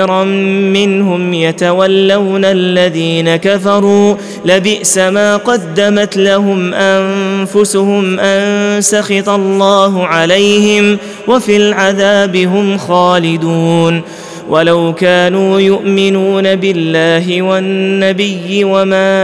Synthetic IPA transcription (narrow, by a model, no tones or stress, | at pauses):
ɾˤɑːɪnhʊmjat̪awalːawnalːaðiːnakafɑɾˤuː | labɪʔsamaːqɑd̪ːamat̪laɦʊmʔamfʊsʊhʊmʔansaxɪt̪ɑlˤːɑːɦʊʕalajhɪm | wafiːlʕaðaːbɪɦʊmxaːlɪd̪uːn | wʔalawkaːnuːjʊʔmɪnuːnabɪlːaːɦɪwanːabɪjːɪwamaː